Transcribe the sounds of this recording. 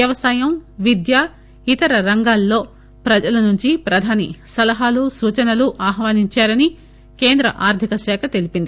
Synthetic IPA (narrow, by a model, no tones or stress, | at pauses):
jɐʋɐsaːjɐmʋid̪jaː | it̪ɐɾɐɾɐŋɡaːlːo̞ː | pɾɐd͡ʒɐlɐnuɲt͡ʃipɾɐd̪ʱaːnḭsɐlɐɦaːlusuːt͡ʃɐnɐluʔaːɦʋaːniɲt͡ʃaːɾɐni | ke̞ːnd̪ɾɐ̰ʔaːɾt̪ʰikɐʃɛːkɐt̪e̞lipind̪i